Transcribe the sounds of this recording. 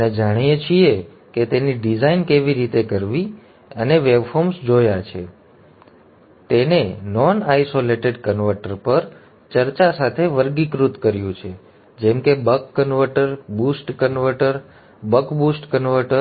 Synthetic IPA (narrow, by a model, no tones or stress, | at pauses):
əned͡ʒaɽ̃ijet͡ʃʰie | ket̪eniɖid͡ʒainkeʋiɾit̪ekəɾʋi | əneʋebfɔmsd͡ʒojat͡ʃʰe | t̪enenɔnajsoleʈeɖkənʋəɾʈəɾpəɾ | t͡ʃəɾt͡ʃasat̪ʰeʋəɾɡikɾut̪kəɾjũt͡ʃʰe | d͡ʒɛmkebəkːənʋəɾʈəɾbusʈkənʋəɾʈəɾ | bəkbusʈkənʋəɾʈə